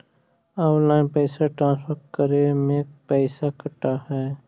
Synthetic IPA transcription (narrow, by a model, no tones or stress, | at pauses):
aːlaːɪnpɛːsaʈɾãːnspʰəɾʈ̚kəɾemẽpɛːɪsakəʈaɦɛː